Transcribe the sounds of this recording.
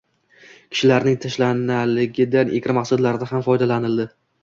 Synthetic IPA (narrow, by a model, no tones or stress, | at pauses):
kʲʰɪ̥ʃɪlaɾnɪŋt̪ʰaʃlanalɪɡʲɪd̪anʔekʲɾɪmaqsad̪laɾɪd̪aɦamfɒjd̪alanɪld̪ɪ